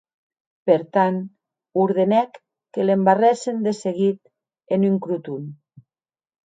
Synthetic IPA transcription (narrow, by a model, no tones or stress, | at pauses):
peɾt̪an | uɾðenɛkː | elembarɛsend̪eseɣit̪̚ | enyŋkɾut̪un